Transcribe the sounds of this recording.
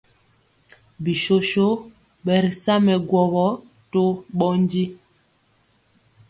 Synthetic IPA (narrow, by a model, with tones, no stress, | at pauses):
bi˨ʃo˦ʃo˦ | ɓɛ˨ɾi˨sa˦mɛ˨ɡwɔ˨bɔ˦ | to˦ɓɔ˦n˦di˦